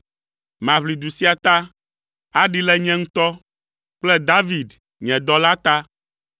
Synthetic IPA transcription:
mã˨βli˨d̪u˨si˦a˨t̪a˦ | a˦ɖi˦lɛ˦ɲɛ̃˦ŋũ˦t̪ɔ˦ | k͡plɛ˦d̪a˦vi˨d | ɲɛ̃˨d̪ɔ˦la˦t̪a˦

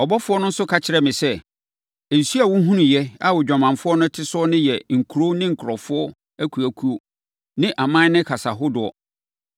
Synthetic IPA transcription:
ɔ˨bɔ˦fʊ˦ɔ˦nʊ̃˦n̩˦sʊ˦kʰa˨t͡ɕʰɪ˦ɾɛ˦mɪ̃˨sɛ˦ | e˨su˦a˨wʊ̃˦ɦũ˦nũ˨jɛ˦a˦wʊ˨d͡ʑᶣa˨mã˨nfʊ˦ɔ˦nʊ̃˦tʰɪ˦sʊ˦ɔ˦nɪ̃˦jɛ˨ŋ̩˨kʰu˨ɾo˦nɪ̃˦ŋ̩˨kʰʊ˨ɾɔ˨fʊ˦ɔ˦ | æ˦kʰu˨æ˨kʰu˦o˦ | nɪ̃˦ʔa˨mã˦nɪ̃˦kʰa˨sa˨ɦʊ˦dʊ˨ɔ̰˨

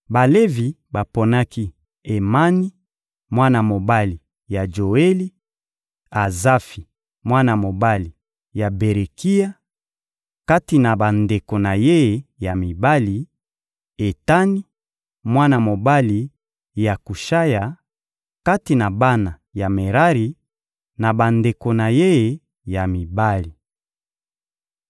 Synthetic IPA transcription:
ba˨le˦vi˨ | ba˨po˨na˦ki˦ | e˨ma˦ni˦ | mwa˦na˨mo˨ba˦li˨ | ja˨d͡ʒo˨e˦li˦ | a˨za˦fi˨ | mwa˦na˨mo˨ba˦li˨ | ja˨be˨ʁe˨ki˦ja˦ | ka˦ti˨na˨ba˨nde˨ko˨na˨je˦˨˦ja˨mi˨ba˦li˨ | e˨ta˦ni˦ | mwa˦na˨mo˨ba˦li˨ | ja˨ku˨ʃa˦ja˨ | ka˦ti˨na˨ba˦na˨ja˨me˨ʁa˦ʁi˨ | na˨ba˨nde˨ko˨na˨je˦˨ | ja˨mi˨ba˦li˨

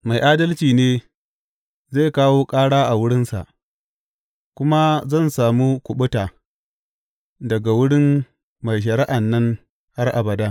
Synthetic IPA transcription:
ma˨jʔaː˦dɐ˦lt͡ʃiː˨neː˦ | zeː˦˨kaː˦woː˦kʼaː˦ɽaː˦ʔa˨wʊ˦ɽɪ˦nsa̰˨ʔ | kʷʊ˦ma˦zɐ˦˨nsaː˨mu˦kʷʊ˨ɓʊ˦taː˨ | dɐ˨ɡa˨wʊ˦ɽɪ˦m | ma˨jʃ̬ɐ˨ɽɪ˦ʔa˨nːɐ˦ŋ | ha˦rʔa˨bɐ˨daː˦

